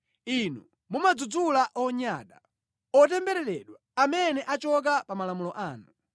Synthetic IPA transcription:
inu | mumad͡zud͡zulaʔɔɲaɗa̰ | ɔtɛmbɛɾɛɾɛɗwaamɛnɛʔat͡ʃɔk̬apamalamulɔʔaːnu

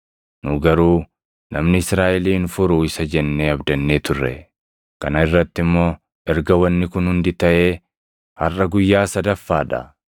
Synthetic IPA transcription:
nʊɡɐɾuː | nɐmnɪɪsɾaːʔɪliːnfʊɾʊɪsɐd͡ʒɛnːeːɐbd̪ɐnːeːt̪ʊrːɛ̰ | kɐnɐɪrːɐt̪ːɪmːo̞ː | ʔɛɾɡɐwɐnːɪkʊnhʊnd̪ɪt̪ɐʔeː | hɐrːɐɡʊjːaːsɐd̪ɐfːaːᶑɐ̰

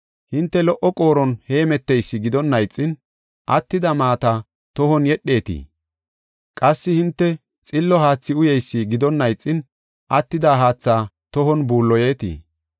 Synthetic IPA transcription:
hɪnt̪ːɛlɔʔɔkʼo̞ːɾɔnhe̞ːmɛt̪ːɛjsːɪɡɪd̪ɔnːɐjt͡sʼːɪn | ʔɐt̪ːɪd̪ɐmaːt̪a | t̪ɔhɔnjɛɗːe̞ːt̪ḭː | kʼɐsːɪhɪnt̪ːɛ | t͡sʼɪlːɔhaːt͡sːɪʊjɛjsːiɡɪd̪ɔnːɐjt͡sʼːɪn | ʔɐt̪ːɪd̪aːɦaːt͡sːaː | t̪ɔɦɔnbuːlːɔje̞ːt̪ḭː

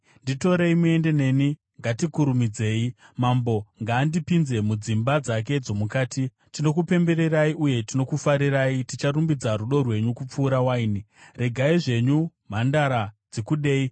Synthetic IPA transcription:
ndito̞ɾe̞imue̞nde̞ne̞ːni | ŋɡatikuɾumid͡ze̞ːimambo̞ŋɡaːndipinze̞mud͡zimbad͡zak̬e̞d͡zo̞mukaːti | tino̞kupe̞mbe̞ɾe̞raiʔuje̞tino̞kufaɾiraitit͡ʃarumbid͡zaɾuɗo̞rwe̞ɲukup͡fuːɾawaini | re̞ɡʱaiʐe̞ɲum̤andaɾad͡zekuɗe̞ːi

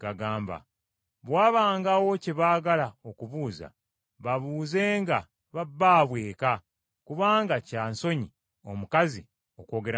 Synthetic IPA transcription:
ɡaɡaːmba̰ | βwaːβaːŋɡawo̞ceβaːɡalao̞kuβuːza̰ | βaβuːze̞ːŋɡa | βabːaːβwe̞ːka | kuβaːŋɡacaːnso̞ɲi | o̞̰mukazi | o̞ko̞ːɡe̞ɾa

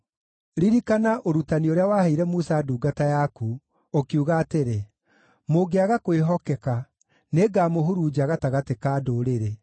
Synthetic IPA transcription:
ɾiɾikanaʔoɾutanioɾeawaːheiɾɛmusaduːɡatajaku | okiuɣaːteɾe | moɡeaɣakoeɦɔkɛka | neɡaːmoɦuɾuːd͡ʒaɣataɣatekaːdoɾeɾe

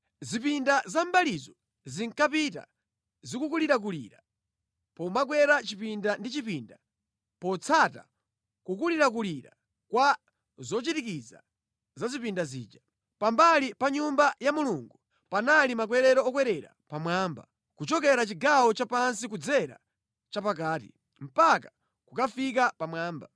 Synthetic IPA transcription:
zipindazambalizɔ | ziŋkapita̰ | zikukuliɾak̬ulḭːɾa | pɔmak̬wɛɾat͡ʃipindandit͡ʃipinda | pɔt͡sʰata̰ | kukuliɾak̬uliɾa̰ | kwa | zɔt͡ʃitikid͡za̰ | zazipindazḭːd͡ʒa | pambalipaɲumbajamuluŋɡu | panalimak̬wɛɾɛɾɔɔk̬wɛɾɛɾa̰ | pamwaːmba̰ | kut͡ʃɔk̬ɛɾat͡ʃiɡawɔt͡ʃapansikud͡zɛɾa̰ | t͡ʃapakaːtḭ | m̩paka | kukafik̬apamwaːmba

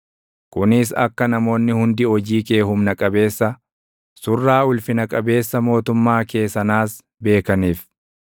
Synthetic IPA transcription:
kʊnɪs̬ɐ̰kːɐnɐmo̞ːnːɪhʊnd̪ɪɔd͡ʒiːke̞ːhʊmnɐkʼɐbe̞ːsːɐ | sʊrːaːʊlfɪnɐkʼɐbe̞ːsːɐmo̞ːt̪ʊmːaːke̞ːsɐnaːs | be̞ːkɐniːf

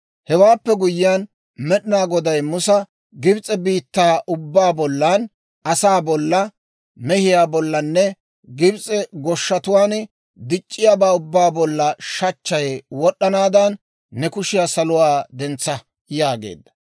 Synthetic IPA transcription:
hɛwaːpːɛɡʊjɪjan | mɛɗɪnaːɡɔd̪ɐjmʊsɐ | ɡɪbt͡sʼɛbiːt̪ːaːʔʊbːaːbɔlːan | ɐsaːbɔlːɐ | mɛhɪjaːbɔlːɐnːɛ | ɡɪbt͡sʼɛɡɔʃːɐt̪ʊwaːn | d̪ɪt͡ʃʼːɪjaːbaːʊbːaːbɔlːɐʃɐt͡ʃːɐjwɔɗːɐnaːd̪ɐnː | ɛkʊʃɪjaːsɐlʊwaːd̪ɛnt͡sːɐ | jaːɡḛːd̪ːɐ̥

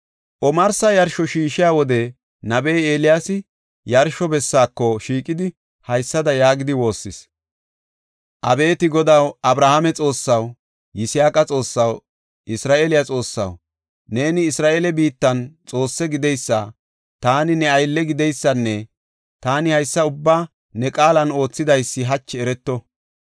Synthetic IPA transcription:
ʔɔmɐɾsɐjɐɾʃɔʃiːʃɪjaːwɔd̪ɛ | nɐbejeːlɪjaːsɪ | jɐɾʃɔbɛsːaːkːɔʃiːkʼɪd̪ɪ | hɐjsːɐd̪ɐjaːɡɪd̪ɪwo̞ːsːɪs | ʔɐbe̞ːt̪ɪɡɔd̪ɐwɐbɾahamɛt͡sʼo̞ːsːɐw | jɪsɪjaːkʼɐt͡sʼo̞ːsːɐw | ʔɪsɾaːʔeːlɪjɐt͡sʼo̞ːsːɐ̰w | ne̞ːnɪːsɾaːʔelɛbiːt̪ːɐnt͡sʼo̞ːsːɛɡɪd̪ɛjsːa | t̪aːnɪnɛɐjlːɛɡɪd̪ɛjsːɐnːɛ | t̪aːnɪhɐjsːɐʊbːaː | nɛkʼaːlɐno̞ːt͡sːɪd̪ɐjsːɪɦɐt͡ʃːɛɛɾɛt̪ːɔ

